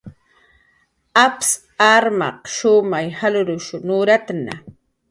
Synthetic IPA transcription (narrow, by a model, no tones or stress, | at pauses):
aps | aɾmɑ̰qʃʊmajhalʊɾʊʃʊnʊɾat̪na̰